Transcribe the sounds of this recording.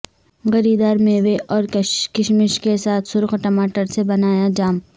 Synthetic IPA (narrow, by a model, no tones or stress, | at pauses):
ɣɐɾiːd̪aːɾmẽːʋeʔɔːɾkɪʃmɪʃkesaːt̪ʰsʊɾqʈɐmaːʈəɾsebɐnaːjad͡ʒaːm